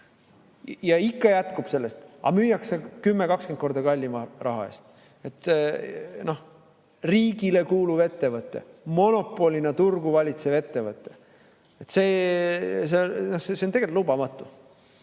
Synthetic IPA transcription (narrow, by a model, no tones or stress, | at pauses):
jɑikːɑjæt̪kub̥se̞lːe̞st̪ɑ̰myːjɑksekymːekɑkskent̪̚ko̞rd̪ɑkɑlʲːimɑrʔɑ̰ɦɑ̰e̞̰ːst̪ | e̞t̪ | no̞h | riːɡile̞kuːluve̞t̪ːe̞vɤt̪ːˑe̞̰mo̞no̞pːˑo̞lʲinet̪urɡ̥uvɑlʲit̪seve̞t̪ːe̞vɤt̪ːˑe̞ | et̪se̞ː | s̬enohseseont̪eɡelt̪lubɑmɑt̪ːˑu